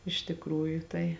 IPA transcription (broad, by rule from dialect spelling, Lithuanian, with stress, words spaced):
ɪʃ tʲɪkˈruːjʊ ˈtɐɪ